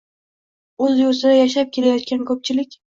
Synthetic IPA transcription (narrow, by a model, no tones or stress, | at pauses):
ɵzjʊɾsɪd̪ajaʃ̬ap̚kʲʰe̞lajɒt̪̚kʲankʰɵp̚t͡ʃʰɪlɪkʲ